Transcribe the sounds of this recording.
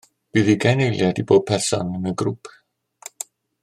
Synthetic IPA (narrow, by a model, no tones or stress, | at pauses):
b̥iːðiɡajnejlˠjadiboːd̚pʰɛsɔ̰nəməɡɾupʰ